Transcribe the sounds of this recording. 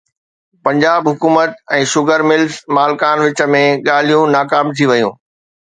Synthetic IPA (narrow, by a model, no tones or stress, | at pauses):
pɐ̃ɲd͡ʑaːbɦʊkuːmət̪ɛ̃ːʃʊɡəɾmɪlzmaːlkaːnʋɪt͡ɕə̆mẽɠaːl̤ijũnaːkaːmt̪ʰiʋɐjũː